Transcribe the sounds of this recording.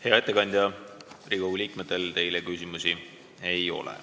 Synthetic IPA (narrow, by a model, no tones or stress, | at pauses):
he̞ɑe̞t̪ːˑe̞kɑnʲd̪ʲjɑriɡouliːkmet̪ːˑe̞lt̪e̞jlekysimusi | e̞jo̞̰lḛ